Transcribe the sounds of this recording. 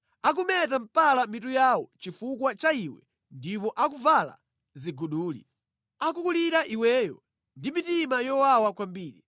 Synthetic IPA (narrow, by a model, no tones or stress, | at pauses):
ak̬umɛt̬am̩palamit̬ujawɔt͡ʃifukwat͡ʃaiwɛ̰ | ndip̬ɔʔakuvala̰ | ziɡuɗuːlḭ | akukuliɾaʔiwɛːjɔ̰ | ndimitimajɔwawakwambiːɾi